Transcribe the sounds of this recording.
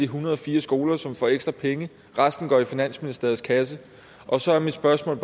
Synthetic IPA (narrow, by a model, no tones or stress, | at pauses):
iɦunʁɐð̞ˠɒfiːɐsɡ̥o̝ːlɐsɒ̽mfɒːeɡ̥sd̥ʁɐpʰeŋə | ʁɑsd̥n̩ɡ̥ɒ̰ːifinæn̰sminisd̥e̝ɐð̩ˠskʰæs̬ə | ʔɒ̽sɒ̽æɐmid̥sb̥ɶɐsmɔ̰ːl